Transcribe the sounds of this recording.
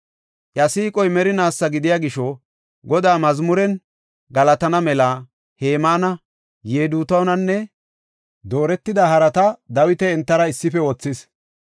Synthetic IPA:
ʔjɐsiːkʼɔjmɛɾɪnaːsːɐɡɪd̪ɪjaːɡɪʃɔ | ɡɔd̪aːmɐzmʊɾɛn | ɡɐlɐt̪ɐnɐmɛlɐ | he̞ːmaːnɐ | jeːd̪uːt̪ɐwnɐnːɛ | d̪o̞ːɾɛt̪ːɪd̪ɐhɐɾɐt̪ɐd̪ɐwɪt̪ɛːnt̪ːɐɾɐɪsːɪfɛwɔt͡sːɪs

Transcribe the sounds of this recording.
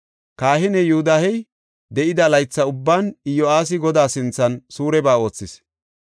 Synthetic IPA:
kaːhɪnɛjʊhʊd̪ɐhɛj | d̪ɛʔɪd̪ɐlɐjt͡sːɐʊbːaːnɪjːɔaːs̬ɪɡɔd̪aːsɪnt͡sːɐnsuːɾɛbaːo̞ːt͡sːɪs

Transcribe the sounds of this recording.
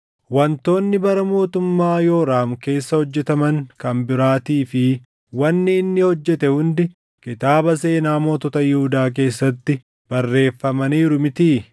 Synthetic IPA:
wɐnt̪o̞ːnːɪbɐɾɐmo̞ːt̪ʊmːaːjo̞ːɾaːmke̞ːsːɐhɔd͡ʒːɛt̪ɐmɐŋkɐmbɪɾaːt̪iːfɪ | wɐnːɪːnːɪhɔd͡ʒːɛt̪ɛhʊnd̪ɪ | kɪt̪aːbɐse̞ːnaːmoːt̪ɔt̪ɐjɪhʊd̪aːk̬e̞ːsːɐt̪ːɪ | b̥ɐrːe̞ːfːɐmɐniːɾʊmɪt̪iː

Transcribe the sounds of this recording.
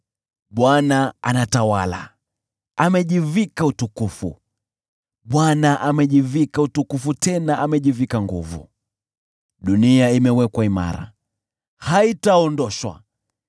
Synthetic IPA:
ɓwanaa̰natawala̰ | amɛʄivikautukufṵ | ɓwanaʔamɛʄivikautukufutɛnaʔamɛʄivikaŋɡṵvṵ | ɗuniaimɛwɛkwaima̰ɾa̰ | haitaɔndɔʃwa̰

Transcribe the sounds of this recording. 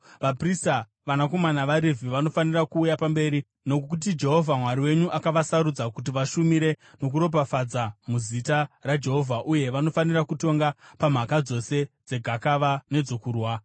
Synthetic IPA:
ʋaprista | ʋanako̞manaʋaɾevʱiʋano̞fanirakuːjapambe̞ːɾi | no̞kkut̬id͡ʒe̞ɦo̞vʱamwaɾiwe̞ɲuʔakaʋasaɾud͡zakut̬iʋaʃumiɾe̞no̞k̬uɾo̞p̬afad͡zamuzitarad͡ʒe̞ɦo̞vʱaʔuje̞ʋano̞fanirakuto̞ŋɡapam̤akad͡zo̞se̞d͡ze̞ɡʱakaʋane̞d͡zo̞kuːrwa

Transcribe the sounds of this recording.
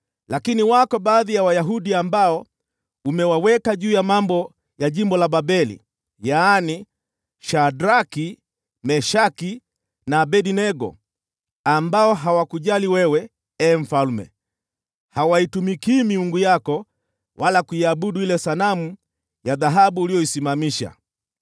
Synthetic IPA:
lakiniwakɔɓaːðijawajaɦuɗiambaɔ | umɛwawɛkaʄuːjamambɔ | jaʄimbɔlaɓabɛlḭ | jaːni | ʃadɾaki | mɛʃaki | nabɛdinɛɡɔ̰ | ambaɔɦawakuʄaliwɛwɛ | ɛɱ̩falmɛ̰ | hawaitumikimiuŋɡujakɔ | wʔalakuiaɓuɗuilɛsanamu | jaðaɦaɓuːlijɔisimamiʃa̰

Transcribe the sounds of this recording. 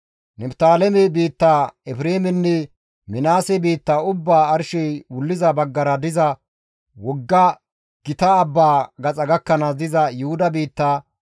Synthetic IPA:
nɛbt̪aːlɛmɛbiːt̪ːaːɛfɾeːmɛnːɛ | mɪnaːsɛbiːt̪ːaːʊbːaːɐɾʃɛjwʊlːɪzɐbɐɡːɐɾɐd̪ɪzɐ | wɔɡːɐ | ɡ̥ɪt̪ɐːbːaːɡɐt͡sʼɐɡɐkːɐnad̪ɪzɐjʊhʊd̪ɐbiːt̪ːaː

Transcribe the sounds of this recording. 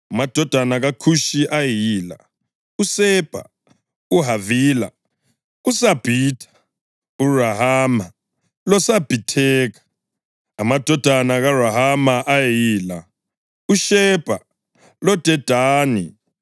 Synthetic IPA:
amad̥ʱɔd̥ʱanaɣakʰuʃiʔajiːla̰ | usɛb̥ʱa̰ | uɦaviːla̰ | usab̥ʱiːtʰḁ | uraɦaːma | lɔsab̥ʱitʰɛːɣḁː | mad̥ʱɔd̥ʱanaɣaraɦamaʔajiːla | uʃɛb̥ʱa | lɔd̥ʱɛd̥ʱaːnḭ

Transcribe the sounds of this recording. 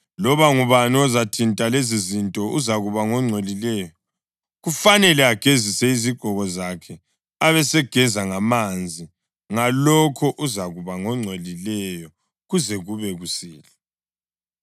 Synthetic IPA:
lɔβaŋuβanɔzatʰintʼalezizintʼɔʔuzaɣuβaŋɔŋ͡ǀʱolilɛjɔ | ɣufanɛlɛaɡ̥ʱezisɛiziɡ̥ʱɔɣɔzakʰɛ | aβɛsɛɡ̥ʱɛzaŋamand͡zʱi | ŋalɔkʰɔʔuzaɣuβaŋɔŋ͡ǀʱelilɛjɔ | ɣuzɛɣuβɛɣusiːlɛ

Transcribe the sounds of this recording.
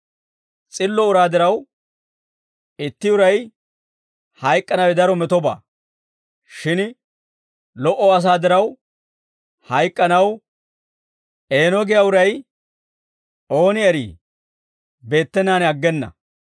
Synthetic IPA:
t͡sʼɪlːɔʊɾaːd̪ɪɾɐw | ɪt̪ːɪʊɾɐj | hɐjkʼːɐnɐwɛd̪ɐɾɔmɛt̪ɔba̰ː | ʃɪn | lɔʔɔɐs̬aːd̪ɪɾɐw | hɐjkʼːɐnɐw | ʔe̞ːnɔɡɪjaʊɾɐj | ʔo̞ːnɪɛɾḭː | be̞ːt̪ːɛnːaːnɛɐɡːɛnːɐ̰

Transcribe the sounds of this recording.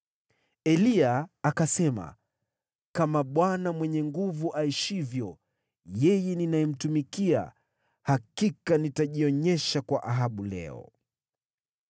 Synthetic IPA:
ɛliaakasɛma̰ | kamaɓwanamwɛɲɛŋɡuvuʔaiʃivjɔ | jɛjɛninaɛm̩tumikia̰ | hakikanitaʄiɔɲɛʃakwaʔaɦaɓulɛ̰ɔ̰

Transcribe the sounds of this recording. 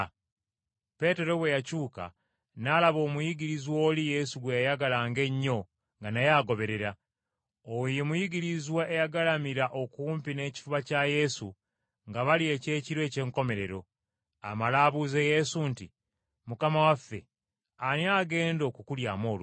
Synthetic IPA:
pe̞te̞ɾo̞βwe̞jacuːka̰ | nalaβo̞ːmujiɡiɾizwo̞ːlije̞suɡwejajaɡalaŋɡe̞ɲːo̞ | ŋɡanajaɡo̞βe̞ɾe̞ɾa | ojemujiɡiɾizwaʔejaɡalamiɾaʔo̞kuːmpine̞ːci̥fuβacaje̞su | ŋɡaβalie̞ːce̞ːciɾwe̞ːce̞ːŋko̞me̞ɾe̞ɾo̞ | a̰malaːβuzeje̞suntḭ | mukamawafːe̞̰ | aniaːɡe̞ːndo̞ːkukuljaːmo̞ːlu

